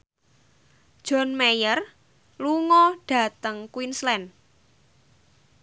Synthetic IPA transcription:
d̥ʒ̥ɔ̤nmejər | luŋɔɖ̥a̤t̪əŋkwinslɛn

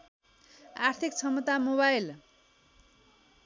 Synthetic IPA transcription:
art̪ʰikt͡sʰʌmʌt̪amobajl

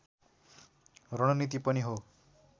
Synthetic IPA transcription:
rʌɽ̃ʌnit̪̬ipʌniɦo

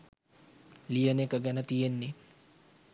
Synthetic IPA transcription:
lijənekəɡænət̪ijenːe

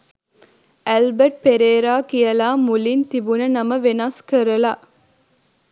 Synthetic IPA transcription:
ʔælbəʈ̚peɾeːɾaːkijɐlaːmulint̪ibunənɐməʋenaskəɾɐla

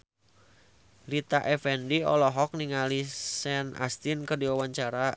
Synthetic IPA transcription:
lit̪aʔɛfɛndiɔ̰lɔɦɔk̚niŋalisɛna̰st̪inkərdiwawaɲt͡ʃaɾa

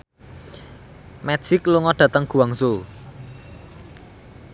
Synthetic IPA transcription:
mɛ̥ʒ̥ikluŋɔɖ̥ä̤t̪əŋɡ̥uwaŋsu

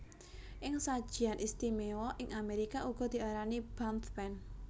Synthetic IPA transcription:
ʔɪŋsad̥ʒ̥i̤anʔist̪imewɔʔɪŋʔameɾikaʔuɡ̥ɔ̤d̪̥i̤aɾanib̥ant̪bɛn

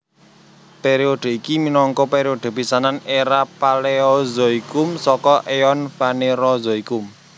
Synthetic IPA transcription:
peɾioɖ̪̥ə̤ikiminɔŋkɔpeɾioɖ̪̥ə̤b̥i̤sananeɾapaleɔzoikʊmsɔkɔʔeɔnfaneɾɔzɔikʊm

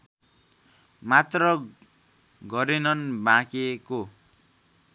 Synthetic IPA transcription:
mat̪rʌ | ɡʌɾenʌnbãkeko

